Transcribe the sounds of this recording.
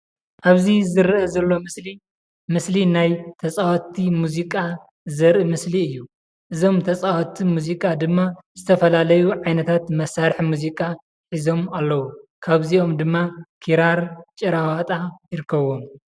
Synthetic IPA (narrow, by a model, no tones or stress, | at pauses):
ʔaβzizɨɾʔɐzɐlːo̞mɨsli | mɨslinajt̪ʰɐt͡sʼawɐt̪ʰːimuzikʼa | zɐɾɨmɨsliɨjːu | ʔɨzo̞mt̪ʰɐt͡sʼawɐt̪ʰːimuzikʼad̪ɨmːazɨt̪ʰɐfɐlalɐjuʕajnɐt̪ʰat̪mɐsaɾħmuzikʼa | ħizo̞malːɐwukʰaβzio̞md̪ɨmːakʰiɾaɾt͡ʃʼɨɾawat̪ʼajɪɾɨkʰːɐβo̞m